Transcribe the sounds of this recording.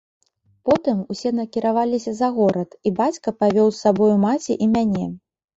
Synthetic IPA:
pɔt̪ɨmusʲɛnɐkʲiɾavalʲisʲɐzɐɣɔɾɐt̪ibat͡sʲkɐpavʲɔwsːabɔjumat͡sʲiʔimʲanʲɛ

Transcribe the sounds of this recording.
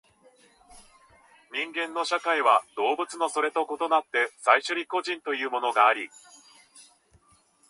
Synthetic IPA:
ɲ̟ĩŋɡẽ̞nːo̞ɕakaiβad̪̥o̞ːbɯ̟t͡sɨno̞so̞ɾe̞t̪o̞ko̞t̪o̞nat̪ːe̞saiɕoɲʲiko̞ʑĩnt̪o̞jɯ̟ːmo̞no̞ɡaːɾʲi

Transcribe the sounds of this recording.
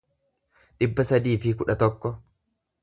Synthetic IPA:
ᶑɪbːɐsɐd̪iːfɪkʊᶑɐt̪ɔkːɔ

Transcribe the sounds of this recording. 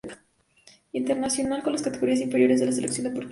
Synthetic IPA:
int̪eɾnasjo̞nalko̞nlaskat̪eɣo̞ɾiasiɱfeɾjo̞ɾezðelaseleksjo̞nd̪epoɾt̪

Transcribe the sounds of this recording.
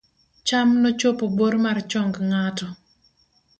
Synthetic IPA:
t͡ʃamnot͡ʃopoboɾmart͡ʃɔŋɡŋatɔ

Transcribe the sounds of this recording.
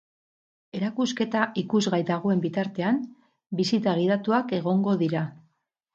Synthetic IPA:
e̞ɾakuske̞t̪aʔikuzɣajt̪aɣ̞oe̞mbit̪aɾt̪e̞am | bisit̪aɣiðat̪uake̞ɣ̞o̞ŋɡo̞ðiɾa

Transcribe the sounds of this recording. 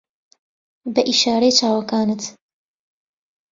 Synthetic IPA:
bɐʔiʃaːɾɐjt͡ʃaːwɐkaːnɨt̪

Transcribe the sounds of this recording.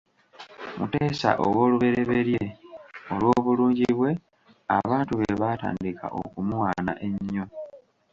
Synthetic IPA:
muteːsa̰ʔo̰wo̞ːluβe̞ɾe̞βe̞ɾje̞o̞lwo̞ːβuluːɲɟiβwe̞ | a̰βaːntuβeβaːta̰ːndika̰ʔo̰kumuwaːna̰ʔe̞ɲːo̞

